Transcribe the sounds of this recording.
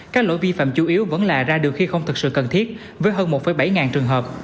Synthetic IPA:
kaː˦˥k̚lo̰˧˨jvi˧fa̰ː˧˨mt͡ɕu˨˦ʔi˨˦əwvə̰˧˥nlaː˨˩zaː˧ɗɨ˨˩əxi˧xə˧wŋ͡mt̪ʰɨ˨˩k̚sɨ̰˧˨kə˨˩nt̪ʰi˦˥ət̚ | vəː˨˦jɦəː˧nmo˨˩t̚fəː˨˦jɓa˧˩jŋaː˨˩nt͡ɕɨ˨˩əŋɦəː˨˩p̚

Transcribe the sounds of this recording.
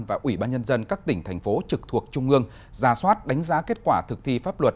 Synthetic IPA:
nvaː˨˩ʔwi˧˩ɓaː˧nɲə˧nzə˧nkaː˦˥k̚t̪ï˧˩ŋ̟t̪ʰɛ˨˩jŋ̟fo˨˦t͡ɕɨ˨˩k̚t̪ʰu˨˩ək̚t͡ɕʊ˧ŋ͡mʔɨ˧əŋ | zaː˧˩swaː˦˥t̚ɗa˨˦jŋ̟zaː˨˦ke˦˥t̚kwaː˧˩t̪ʰɨ˨˩k̚t̪ʰi˧faː˦˥p̚lwə˨˩t̚

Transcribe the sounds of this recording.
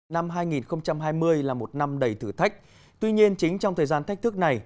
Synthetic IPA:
na˧mɦaː˧jŋi˨˩nxə˧wŋ͡mt͡ɕa˧mɦaː˧jmɨ˧əjlaː˨˩mo˨˩t̚na˧mɗə˨˩jt̪ʰɨ̰˧˩t̪ʰa˦˥k̟̚ | t̪wi˧ɲi˧ənt͡ɕï˨˦ŋ̟t͡ɕɔ˧wŋ͡mt̪əː˨˩jzaː˧nt̪ʰa˦˥k̟̚t̪ɨ˦˥k̚na˨˩j

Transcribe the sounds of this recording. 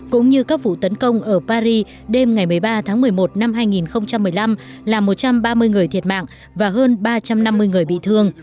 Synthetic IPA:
kʊ̰˧˥ŋ͡mɲɨ˧kaː˦˥k̚vṵ˧˨t̪ə˨˦nkə˧wŋ͡mʔəː˧˩paː˧ɾi˧ | ɗe˧mŋa˨˩jmɨ˨˩əjɓaː˧t̪ʰaː˨˦ŋmɨ˨˩əjmo˨˩t̚na˧mɦaː˧jŋi˨˩nxə˧wŋ͡mt͡ɕa˧mːɨ˨˩əjla˧m | laː˨˩mo˨˩t̚t͡ɕa˧mɓaː˧mɨ˧əjŋɨ˨˩əjt̪ʰi˨˩ət̚ma̰ː˧˨ŋ | vaː˨˩ɦəː˧nɓaː˧t͡ɕa˧mna˧mːɨ˧əjŋɨ˨˩əjɓḭ˧˨t̪ʰɨ˧əŋ

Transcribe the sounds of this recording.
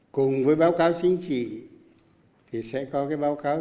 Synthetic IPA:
kʊ˨˩ŋ͡mvəː˨˦jɓaː˨˦wkaː˨˦wt͡ɕï˧˦ŋ̟t͡ɕḭ˧˨ | t̪ʰi˨˩sɛ̰˧˥kɔ˨˦kaː˨˦jɓaː˨˦wkaː˨˦

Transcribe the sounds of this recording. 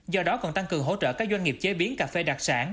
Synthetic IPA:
zɔ˧ɗɔ˨˦kɔ̰˨˩nt̪a˧ŋkɨ˨˩əŋɦo̰˧˥t͡ɕə̰ː˧˨kaː˦˥k̚zwa˧ŋ̟ŋi˨˩p̚t͡ɕe˨˦ɓi˨˦ənkaː˨˩fe˧ɗa˨˩k̚sa̰ː˧˩n

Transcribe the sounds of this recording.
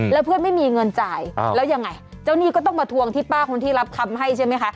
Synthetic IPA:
lɛ˦˥pʰɯ˥˩ənma˥˩jmiː˧ŋɤ˧nt͡ɕaː˧jlɛː˦˥wja˧ŋːa˧j | t͡ɕa˥˩wniː˥˩kɔː˥˩t̪ɔ˥˩ŋmaː˧t̪ʰu˧əŋt̪ʰiː˥˩paː˥˩kʰo˧nt̪ʰiː˥˩ɾa˦˥p̚kʰa˧mɦa˥˩jt͡ɕʰa˥˩jma˦˥jkʰa˦˥ʔ

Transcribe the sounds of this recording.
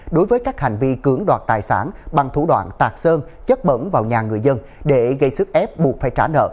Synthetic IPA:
ɗo˨˦jvəː˨˦jkaː˦˥k̚ha˨˩jŋ̟vi˧kɨ˨˧˦əŋɗwaː˨˩t̚t̪aː˨˩jsa̰ː˧˩nɓa˨˩ŋt̪ʰṵ˧˩ɗwa̰ː˧˨nt̪aː˨˩k̚səː˧nt͡ɕə˦˥t̚ɓə̰˧˥nvaː˨˩wɲaː˨˩ŋɨ˨˩əjzə˧n | ɗe˧˩ɣə˧jsɨ˦˥k̚ʔɛ˦˥p̚ɓu˨˩ət̚faː˧˩jt͡ɕaː˧˩nə̰ː˧˨

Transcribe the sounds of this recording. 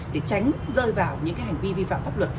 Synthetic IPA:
ɗe˧˩t͡ɕa˨˦jŋ̟ | zəː˧jvaː˧˩wɲɨ̰˧˥ŋkaː˨˦jha˨˩jŋ̟vi˧vi˧fa̰ː˧˨mfaː˦˥p̚lwə˨˩t̚

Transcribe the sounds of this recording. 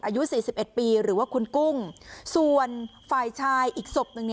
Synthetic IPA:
ʔaː˧ju˦˥ʔsiː˨˩si˨˩p̚ʔe˨˩t̪̚piː˧ɾɯː˩˦waː˥˩kʰu˧nku˥˩ŋsu˨˩ənfaː˧˩jt͡ɕʰaː˧jʔiː˨˩k̚so˨˩k̚nɯ˨˩ŋn˧

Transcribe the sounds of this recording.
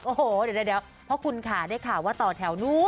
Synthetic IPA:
ʔo˨˧˩hoː˨˩ddaː˥˩lɛ˦˥w | pʰɔ˦˥kʰu˧nkʰaː˨˩˦daː˥˩jkʰaː˨˩wːaː˥˩t̪ɔː˨˩t̪ʰɛ˩˦wnuː˦˥

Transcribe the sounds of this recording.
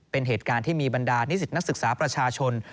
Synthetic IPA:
pe˧nɦeː˨˩t̪̚kaː˧nt̪ʰiː˥˩miː˧ba˧ndaː˧ni˦˥si˨˩t̪̚na˦˥k̚sɯ˨k̚saː˩˦pɾa˧t͡ɕʰaː˧t͡ɕʰo˧n

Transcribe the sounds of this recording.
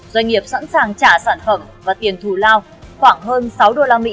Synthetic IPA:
zwa˧jŋ̟ŋi˨˩əp̚sa̰˧˥nsaː˨˩ŋt͡ɕaː˧˩saː˧˩nfə˧˩mvaː˨˩t̪i˨˩ənt̪ʰu˧˩laː˧w | xwaː˧˩ŋɦəː˧nsa˨˦wɗo˧˨laː˧mḭ˧˥

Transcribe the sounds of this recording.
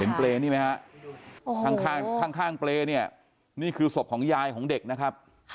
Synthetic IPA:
e˩˦npleː˧niː˥˩ma˦˥kʰa˦˥ʔ | kʰa˧˥ŋkʰaː˥˩ŋk̪ʰaː˥˩ŋkʰaː˥˩ŋpleː˧ni˥˩ɐ | niː˥˩kʰɯː˧so˨˩p̚kʰɔː˩˦ŋjaː˧jkʰɔː˩˦ŋde˨˩k̚na˦˥kʰa˦˥p̚

